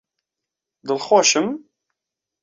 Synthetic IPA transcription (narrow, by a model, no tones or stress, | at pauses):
d̪ɨlxoːʃɨm